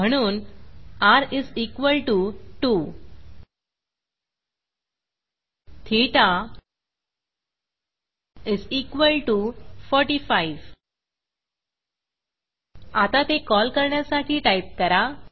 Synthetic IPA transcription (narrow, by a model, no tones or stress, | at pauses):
m̤əɽ̃uːnaɾizikʋəlʈuʈu | t̪ʰiʈa | izikʋəlʈufɔɾʈifaiʋ | at̪at̪ekɔlkəɾɳjasaʈʰiːʈajp̚kəɾa